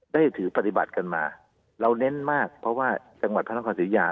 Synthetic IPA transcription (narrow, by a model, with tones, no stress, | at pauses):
daː˥˩jt̪ʰɯː˩˦pa˨˧t̪i˨ba̰˨˩t̪̚ka˧nma̰ː˧ | ɾa˧wne˦˥nmaː˥˩k̚pʰɾɔ˦˥waː˥˩ | t͡ɕa˧ŋwa˨˩t̪̚ʰa˥nʰ˧˥ɔː˧siː˩˦˥jaː˧